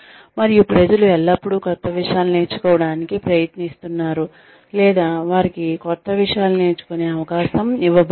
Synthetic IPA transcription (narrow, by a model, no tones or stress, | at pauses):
mɐɾijupɾɐd͡ʒɐluɛlːɐpːuɽukɔt̪ːɐʋiʂjaːlune̞ːt͡ʃːu̥kɔːʋɐɽaːnikipɾɐjɐt̪nist̪unːaːɾu | lɛːd̪aːʋaːɾikikɔt̪ːɐʋiʂjaːlune̞ːt͡ʃu̥koneːɐʋɐkaːʃɐmiʋɐb